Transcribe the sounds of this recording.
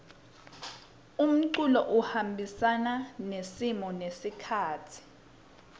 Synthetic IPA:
um̩ǀulɔʔuhambʱisananesimɔnesikʰaːtʰi̥

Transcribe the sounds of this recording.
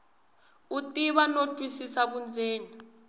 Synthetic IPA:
utiβanotʰʼisisaβund͡zʱeːni

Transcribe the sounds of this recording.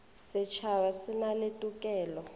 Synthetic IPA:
sɪt͡ʃʰawasɪnaletʼukʼɛːlɔ

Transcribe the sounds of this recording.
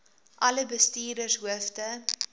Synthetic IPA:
ʔɐləbəstiːrdərsɦuəftə

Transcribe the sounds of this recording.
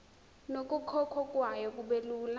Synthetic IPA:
nokʼukʰɔkʰɔkʼwajɔkʼuɓeluːla

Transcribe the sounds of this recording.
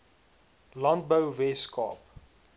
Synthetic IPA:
lant̚bəwvɛskɑ̰ːp

